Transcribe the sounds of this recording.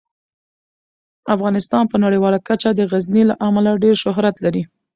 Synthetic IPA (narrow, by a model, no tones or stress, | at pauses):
afɣɑnɪst̪ɑnpənaɽiwɑlakat͡ʃad̪əɣaznilaʔamalaɖeɾʃʊɦɾat̪laɾi